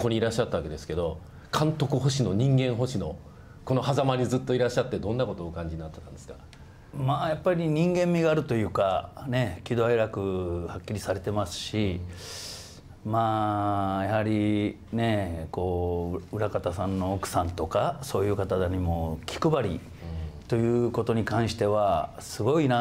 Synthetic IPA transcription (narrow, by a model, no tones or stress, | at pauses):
koɲʲiɾaɕːat̪ːaβake̞d̪e̞sɨ̥ke̞d̪o̞ | kʰãnt̪o̞kɯ̟ɦo̞ɕino̞ɲ̟ĩŋɡẽ̞ɰ̃ɦo̞ɕino̞ | ko̞no̞hazamaɲizɨt̪ːo̞iɾaɕːat̪ːe̞d̪õ̞nːako̞t̪oːkãɲ̟d͡ʑiɲinat̪ːet̪ãnd̪esɨ̥kḁ | maːjapːaɾʲiɲ̟ĩŋɡẽ̞mːʲiɡaːɾɯ̟t̪o̞jɯ̟ːkane̞kʲid̪o̞aeɾakɯ̟hakʲːiɾʲisaɾe̞t̪e̞masɨ̥ɕi | maːjahaɾʲi | ne̞ko̞ːɯ̟ɾakat̪asãnːo̞ːkɯ̟̥sãnt̪o̞kaso̞ːjɯ̟ːkat̪ad̪aɲ̟imo̞kʲi̥kɯ̟baɾʲḭ | t̪o̞jɯ̟ːko̞t̪o̞ɲ̟ikãɰ̃ɕi̥t̪e̞βa | sɨɡo̞ina